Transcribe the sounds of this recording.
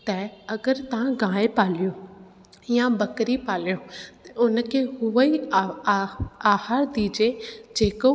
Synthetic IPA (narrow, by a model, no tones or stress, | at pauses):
t̪ɐɐɡəɾt̪ɐʋ̤ãɡãːepaːlijõ | jãbɐkɾipaːlijõt̪ʊnkʰeɦʊʋəi | aːhaːɾd̪iːd͡ʑed͡ʑeːko